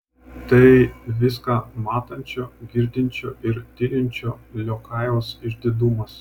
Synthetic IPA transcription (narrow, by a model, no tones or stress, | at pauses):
t̪ɐɪʋʲɪskɑːmɑːt̪ɐnʲt͡ʃʲoːɡʲɪɾʲd̪ʲɪnʲt͡ʃʲoːʔɪɾt̪ʲɪɾʲɪnʲt͡ʃʲoːlʲoːkɑˑɪʋoːsɪʒʲd̪ʲɪd̪umɐs